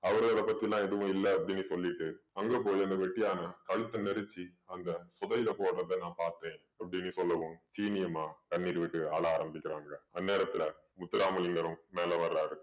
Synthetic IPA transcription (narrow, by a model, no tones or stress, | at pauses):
ɐʋɐɾɣɐɭɐpɐt̪ːijlãːɛðɯʋʊ̃ɪlːɐːpːɐɽɪnːɯsɔlːɪʈːɯɐŋɡeːpoːjɐnd̪ɐʋɛʈːɪjaːnɐkɐɻɯt̪ːɐnɛɾɯt͡ʃːiɐnd̪ɐsɔðɐjɪlɐpoːɽɾɐðenãːpaːɾt̪ɾẽː | ɐpːɐɽɪnːɯsɔlːɐʋɯ̃msiːnɪjɐmaːkɐɳːiːɾɯʋɪʈːɯaːɭɐaːɾɐmbɪkʲːɪɾaːŋɡɐɐnːeːɾɐt̪ːɪlɐ | mʊt̪ːɪɾaːmɐlɪŋɡɐɾɯ̃mmeːlɐʋɐɾɾaːɪɾɯkːɯ